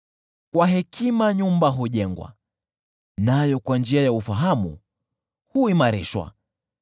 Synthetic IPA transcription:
kwaɦɛkʰimaɲumbaɦuʄɛŋɡwa̰ | najɔkwand͡ʒiajaufaɦamṵ | huimaɾɛ̰ʃwa̰

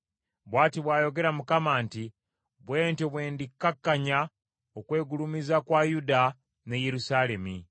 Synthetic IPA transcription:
βwaːtiβwaːjo̞ɡe̞ɾamukamaːnti | βwe̞ːntoβwe̞ːndikːakːaɲa | okwe̞ːɡulumizakwajuda | ne̞je̞ɾusale̞mi

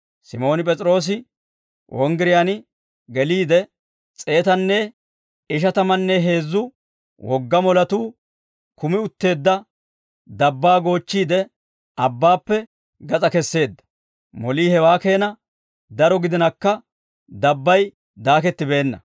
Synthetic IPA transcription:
sɪmo̞ːnɪpʼɛt͡sʼɾo̞ːs̬ɪ | wʔɔŋɡɪɾɪjanɪ | ɡɛliːd̪ɛ | t͡sʼe̞ːt̪ɐnːɛ | ɪʃ̬ɐt̪ɐmɐnːɛɦe̞ːzːʊ | wɔɡːɐmɔlɐt̪uː | kʊmɪʊt̪ːe̞ːd̪ːɐ | d̪ɐbːaːɡo̞ːt͡ʃːiːd̪ɛ | ɐbːaːpːɛ | ɡɐt͡sʼɐkɛsːe̞ːd̪ːɐ̥ | mɔliːhɛwaːke̞ːnɐ | d̪ɐɾɔɡɪd̪ɪnɐkːɐ | d̪ɐbːɐj | d̪aːkɛt̪ːɪbe̞ːnːɐ

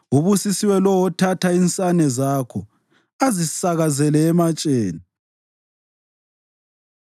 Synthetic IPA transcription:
uβusisiwɛlɔwɔtʰatʰaint͡sʼanɛzaːkʰɔ | azisaɣazɛlɛːmat͡ʃʼeːni

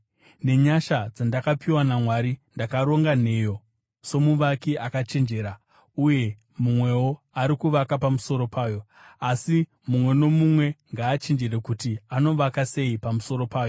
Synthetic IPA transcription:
ne̞ɲaʃad͡zandakapiwanamwaɾindakaɾo̞ŋɡane̞ːjo̞ | so̞muʋakiʔakat͡ʃend͡ʒe̞ːɾa | uje̞ | mumwe̞wo̞ | aɾikuʋakapamuso̞ɾo̞paːjo̞ | asi | mumwe̞no̞mumwe̞ŋɡaːt͡ʃend͡ʒeɾe̞kutiano̞ʋakase̞ipamuso̞ɾo̞paːjo̞

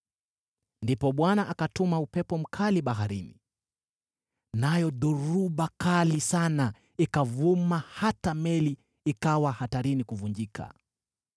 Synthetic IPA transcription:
ndipɔɓwanaʔakatumaupɛpɔm̩kʰaliɓaɦaɾini | najɔɗuɾuɓakalisana | ikavumahatamɛliː | kawahataɾinikuvund͡ʒikʰa̰

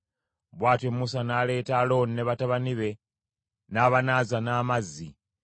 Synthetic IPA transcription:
βwaːtemːusanaːle̞ːtalo̞nineβataβaniβe̞ | naːβanazanaːmazːi

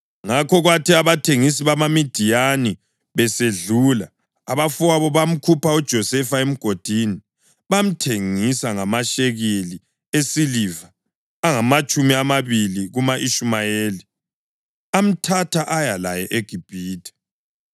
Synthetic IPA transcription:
ŋakʰɔɣwatʰiaβatʰeŋis̬iβamamid̥ʱijani | βɛseɮulaː | βafuaβɔβam̩kʰupaud̥ʒ̥ʱɔsɛfaem̩ɡ̥ʱod̥ʱini | βam̩tʰeŋisaŋamaʃeɣeli | esilivaː | ŋamat͡ʃʼumiamaβiliɣumaʔiʃumajeːli | am̩tʰatʰaʔajala̰jɛʔeɡ̥ʱib̥ʱiːtɛ̥

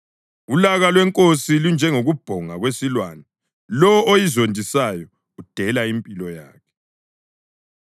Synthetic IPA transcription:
ulaɣalwɛŋkʼosilund͡ʒʱɛŋoɣub̥ʱɔŋaɣwesilwaːnɛ | lɔojizondʱisajɔ | ud̥ʱɛlaimpʼilɔja̰ːkʰɛ̥

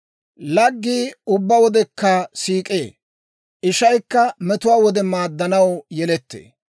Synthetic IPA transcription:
lɐɡːiːʊbːɐwɔd̪ɛkːɐsiːkʼḛː | ʔɪʃɐjkːɐmɛt̪ʊwaːwɔd̪ɛmaːd̪ːɐnɐwjɛlɛt̪ːḛː

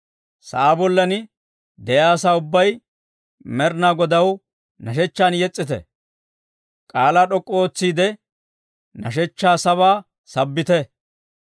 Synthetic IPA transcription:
sɐ̰ʔaːbɔlːɐnɪ | d̪ɛjaːsaːʊbːɐj | mɛɾnaːɡɔd̪ɐw | nɐʃɛt͡ʃːaːnjɛt͡sʼːɪt̪ɛ̰ | kʼaːlaːɗɔkʼːɔoːt͡sːiːd̪ɛ | nɐʃ̬ɛt͡ʃːaːsɐβaː | sɐbːɪt̪ɛ

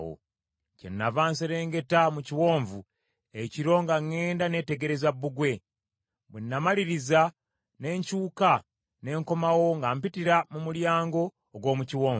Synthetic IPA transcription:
o̰ | cḛnːavaːnse̞ɾe̞ːŋɡe̞tamuciwo̞ːɱvu | eciɾo̞ŋɡaŋːe̞ːndane̞ːte̞ɡe̞ɾe̞zabːuɡwe̞ | βwenːamaliɾiza | ne̞ːɲcuːka | ne̞ːŋko̞mawo̞ŋɡampitiɾamumuljaːŋɡo̞ː | ɡwo̞ːmuciwoːv

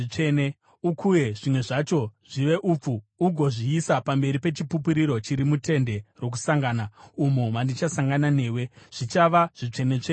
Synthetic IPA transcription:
it͡ʂene | ukʰuje̞ʐimwe̞ʐat͡ʃo̞ʐiʋe̞ʔuːp͡fuːɡʱo̞ʐiːsapambe̞ɾipe̞t͡ʃipupiɾiɾo̞t͡ʃiɾimute̞nde̞ro̞k̬usaŋɡaːnaumoʋandit͡ʃasaŋɡanane̞ːwe̞ʐ̥it͡ʃaʋaʐ̥it͡ʂe̞ne̞t͡ʂe

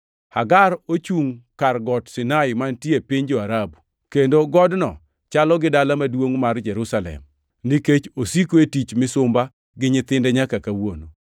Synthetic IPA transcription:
haɡaɾot͡ʃuŋkarɡɔtsɪnaɪmantjepiɲd͡ʒoaɾabu | kendoɡɔdnɔ | t͡ʃalɔɡɪdalamadwoŋmard͡ʒɛɾusalɛ̰m | niket͡ʃosikoetit͡ʃmɪsʊmba | ɡɪɲɪt̪ɪndɛɲakakawono

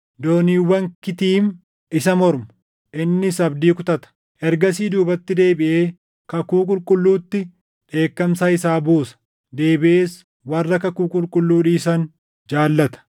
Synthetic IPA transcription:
d̪o̞ːniːwːɐŋkɪt̪iːm | ʔɪsɐmɔɾmɐ̥ | ʔɪnːɪsɐbd̪iːkʊt̪ɐt̪ɐ̥ | ʔɛɾɡɐsiːd̪uːbɐt̪ːɪd̪e̞ːbɪʔe̞ː | kɐkuːkʼʊlkʼʊlːuːt̪ːɪ | ᶑe̞ːkːɐmsahɪsaːbuːsɐ̥ | d̪e̞ːbɪʔeːs | wɐrːɐkɐkuːkʼʊlkʼʊlːuːᶑiːs̬ɐn | d͡ʒaːlːɐt̪ɐ̥

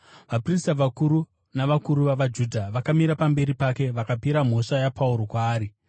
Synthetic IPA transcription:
ʋapristaʋakuɾu | naʋakuɾuʋaʋad͡ʒudʱaʋakamiɾapambe̞ɾipake̞ʋakapiɾam̤o̞ʂajapʰauɾo̞kwaːɾi

